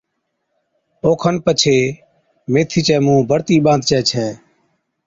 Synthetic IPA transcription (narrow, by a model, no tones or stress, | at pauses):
oːkʰənpət͡ʃʰeː | meːt̪ʰiːt͡ʃɛːmũːbʱəɽt̪iːɓãːnd̪̚t͡ʃɛːt͡ʃʰɛː